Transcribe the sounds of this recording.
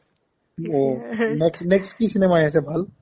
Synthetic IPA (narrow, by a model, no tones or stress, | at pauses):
oneksneksʈkisɪneːmajɛ̃s̬ebʱəl